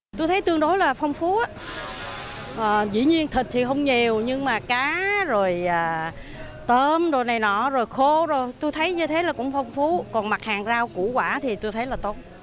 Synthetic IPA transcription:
t̪u˧jt̪ʰə˨˦jt̪ɨ˧əŋɗo˨˦jlaː˨˩fə˧wŋ͡mfu˨˦ʔaː˨˦ | ʔəː˨˩zḭ˧˥ɲi˧ənt̪ʰi˨˩k̚t̪ʰi˨˩xə˧wŋ͡mɲi˨˩əwɲɨ˧ŋmaː˨˩kaː˨˦zo˨˩jʔaː˨˩ | t̪əː˧mzo˨˩jna˨˩jnɔ̰˧˩zo˨˩jxo˧zo˨˩jt̪u˧jt̪ʰə˨˦jɲɨ˧t̪ʰe˨˦laː˨˩kʊ̰˧˥ŋ͡mfə˧wŋ͡mfu˨˦kɔ˨˩nma˨˩t̚haː˨˩ŋzaː˧wkṵ˧˥kwaː˧˩t̪ʰi˨˩t̪u˧jt̪ʰə˨˦jlaː˨˩t̪o˨˦˥t̚

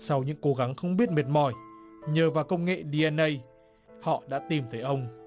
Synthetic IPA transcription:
sa˧wɲɨ̰˧˥ŋko˨˦ɣa˨˦ŋxə˧wŋ͡mɓi˦˥ət̚me˨˩t̚mɔ˨˩jɲəː˨˩vaː˨˩wkə˧wŋ͡mŋḛ˧˨ɗi˧ʔɛ˧nʔə˧j | hɔ̰˧˨ɗa̰ː˧˥t̪i˨˩mt̪ʰə˨˦jʔə˧wŋ͡m

